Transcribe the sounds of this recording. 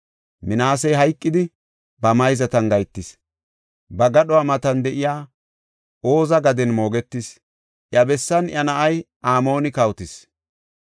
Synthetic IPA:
mɪnaːs̬ɛjɦɐjkʼːɪd̪ɪ | bɐmɐjzɐt̪ɐnɡɐjt̪ːɪs | bɐɡɐɗɔamɐt̪ɐnd̪ɛʔɪjaː | o̞ːzɐɡɐd̪ɛnmo̞ːɡɛt̪ːɪs | ʔjɐbɛsːɐnjɐnɐʔɐj | aːmo̞ːnɪkɐwt̪ɪs

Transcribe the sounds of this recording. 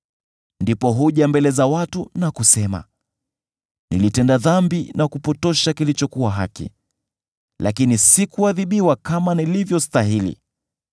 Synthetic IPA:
ndipɔɦuʄambɛlɛzawatunakusɛma̰ | nḭlitɛndaðambinakupɔtɔʃakilit͡ʃɔkuwaɦakḭ | la̰kinisikuaðiɓiwakamanilivjɔstaɦilḭ

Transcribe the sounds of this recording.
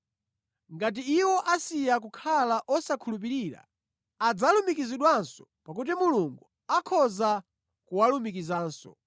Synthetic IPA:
ŋɡat̬iːwɔʔasijak̬ukʰalaʔɔsakʰulup̬iɾiːɾa̰ | ad͡zalumikiziɗwansɔ̥pakut̬imuluŋɡu | akʰɔza | kuwalumikizaːnsɔ̰

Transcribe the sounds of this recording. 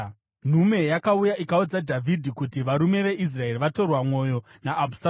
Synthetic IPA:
n̤ume̞jakaujaʔikaud͡zadʱavʱidʱikutiʋaɾume̞ʋe̞ʔis̬rae̞riʋato̞rwamwo̞jo̞ | naːbʱu̥s

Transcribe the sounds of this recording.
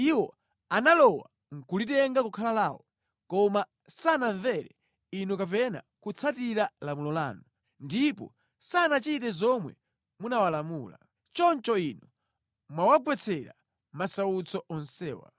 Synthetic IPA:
iwɔ | analɔwa̰ | ŋ̩kulitɛŋɡakukʰalalaːwɔ | kɔma | sanaɱvɛɾɛ | inukap̬ɛna̰ | kut͡sʰatiɾalamulɔla̰ːnɔ | ndipɔ̰ | sanat͡ʃitɛzɔmwɛ̰ | munawalamuːla̰ | t͡ʃɔnt͡ʃɔinɔ | mwawaɡwɛt͡sʰɛɾa̰ | masaut͡sɔʔɔnsɛːwa̰

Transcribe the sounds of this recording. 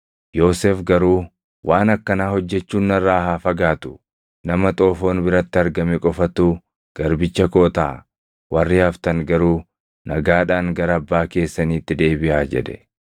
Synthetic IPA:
jo̞ːseːfɡɐɾuː | wʔaːnɐkːɐnaːhɔd͡ʒːɛt͡ʃːuːnːɐrːaːhaːfɐɡaːt̪ʊ̥ | nɐmɐt̪ʼo̞ːfo̞ːnbɪɾɐt̪ːɪɐɾɡɐmɛkʼɔfɐt̪u | ɡ̥ɐɾbɪt͡ʃːɐko̞ːt̪a̰ː | wʔɐrːɪjaːft̪ɐŋɡɐɾuː | nɐɡaːᶑaːŋɡɐɾɐːbːaːke̞ːsːɐniːt̪ːɪd̪e̞ːbɪʔaːd͡ʒɛ̰ᶑɛ̥̰

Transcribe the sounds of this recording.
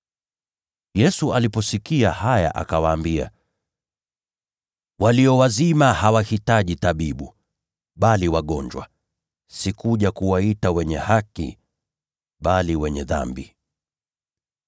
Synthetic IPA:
jɛsualipɔsikiahaja̰ʔa̰kawaːmbia̰ | waliɔwazimahawahitaʄitaɓiɓu | ɓaliwaɠɔɲd͡ʒwa̰ | sikuʄakuwaitawɛɲɛhakḭ | ɓaliwɛɲɛða̰mbi

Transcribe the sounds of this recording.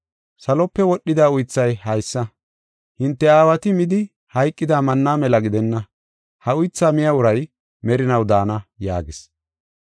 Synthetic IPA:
sɐlɔpːɛwɔɗːɪd̪aːʊjt͡sːɐjhɐjsːɐ | hɪnt̪ːɛaːwɐt̪ɪmɪd̪ɪ | hɐjkʼːɪd̪aːmɐnːaːmɛlɐɡɪd̪ɛnːɐ | hɐʊjt͡sːaːmɪjɐʊɾɐj | mɛɾɪnɐwd̪aːnɐja̰ːɡɪs

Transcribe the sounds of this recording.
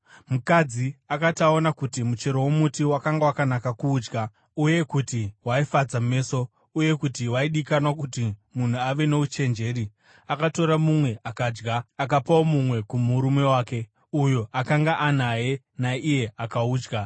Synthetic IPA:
mukad͡ziakatao̞nakutimut͡ʃe̞ɾowomutiwakaŋɡawakanakakuːd͡ʒɡa | uje̞kutiwaifad͡zame̞ːso̞ | uje̞kutiwaiɗikanwakutimun̤uaʋe̞ne̞ut͡ʃe̞nd͡ʒe̞ːɾi | akato̞ɾamumwe̞ʔakaːd͡ʒɡaːk̬apao̞mumwe̞kumuɾume̞waːke̞ | ujo̞ʔakaŋɡaʔan̤aje̞ | naije̞ʔakauːd͡ʒɡa

